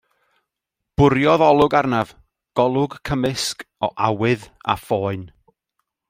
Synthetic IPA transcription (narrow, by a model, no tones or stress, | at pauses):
b̥ʊɾjɔðɔlˠʊɡarnav | ɡ̥ɔlˠʊɡkʰəmɪskɔʔawɪða̰fɔːɨn